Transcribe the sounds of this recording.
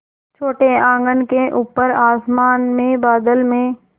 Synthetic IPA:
t͡ʃʰoːʈeãːŋɡənkeʔuːpəɾaːsmaːnmẽbaːd̪əlmẽ

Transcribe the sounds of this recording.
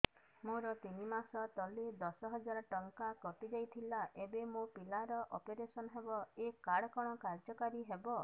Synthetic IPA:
moɾɔt̪inimasɔt̪ɔled̪ɔsɔɦɔd͡ʒaɾɔʈɔŋkakɔt̪id͡ʒajt̪ʰilaʔebemopilaɾɔʔɔpeɾesɔnɔɦebɔekaɽɔkɔɽ̃ɔkaɾd͡ʒɔkaɾiɦebɔ

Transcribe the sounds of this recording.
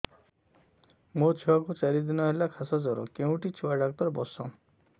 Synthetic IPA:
mot͡ʃʰiwakut͡ʃaɾid̪inɔɦelakʰasad͡ʒɔɾɔ̰keũʈit͡ʃʰiwaɖakt̪ɔɾbɔsɔ

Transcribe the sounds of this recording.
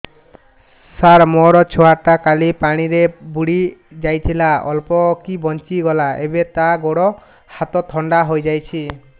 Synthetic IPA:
saɾmɔɾɔt͡ʃʰɔaʈakalipaɽ̃iɾebuɽi | d͡ʒajt̪ʰilaɔ̰lpɔkibɔnt͡ʃiɡɔlaebet̪aɡoɽɔ | hat̪ɔt̪ʰɔɳɖaɦojd͡ʒajt͡ʃʰi

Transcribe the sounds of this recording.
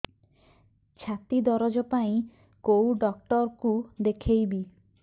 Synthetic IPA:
t͡ʃʰat̪id̪ɔɾɔd͡ʒɔpaĩ | kowɖɔk̚ʈɔɾkud̪ekʰejbi

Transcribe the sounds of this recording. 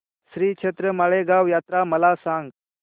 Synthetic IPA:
sɾiːkʂʰet̪ɾəmaɭeɡaʋjat̪ɾaməlasãŋɡ

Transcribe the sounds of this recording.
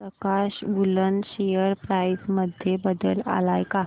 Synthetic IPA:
pɾəkaɕbulənɕejəɾpɾajsməd̪ʱjebəd̪əla̰lajka

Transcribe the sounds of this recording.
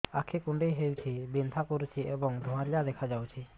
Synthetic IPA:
akʰekuɳɖejɦewt͡ʃʰibint̪ʰakoɾut͡ʃʰiʔebɔŋd̪ʱɔ̃aɾliad̪ɛkʰad͡ʒawt͡ʃʰi

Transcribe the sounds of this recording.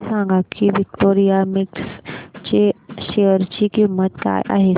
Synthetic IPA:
sãŋɡakiʋik̚ʈoɾijamikst͡ɕeɕeəɾt͡ɕiːkimːət̪ka̰jʔa̰ɦe

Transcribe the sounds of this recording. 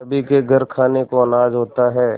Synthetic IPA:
əbʱikeɡʱɐɾkʰaːnekoɐnaːd͡ʒɦoːt̪aɦɛː

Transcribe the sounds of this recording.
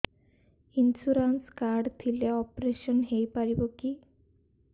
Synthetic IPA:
insuɾanskaɾɖt̪ʰileɔpɾeʃɔnɦejpaɾiboki

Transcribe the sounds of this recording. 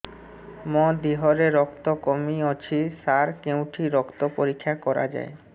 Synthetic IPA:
mɔd̪iɦoɾeɾɔkt̪okomiot͡ɕʰisaɾkewʈʰiɾɔkt̪opoɾikʰːakɔɾa̰d͡ʑa̰e

